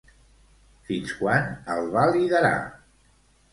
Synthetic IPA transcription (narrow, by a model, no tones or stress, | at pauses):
finskwanəlˠβaliðəɾa̰